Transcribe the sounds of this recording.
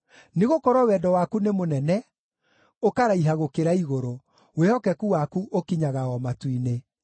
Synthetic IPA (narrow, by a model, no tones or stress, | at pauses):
neɣokɔɾwɔwɛdɔwakunemonɛnɛ | okaɾaiɦaɣokeɾaiɣoɾo | wehɔkɛkuwakuʔokiɲaɣaɔmatwine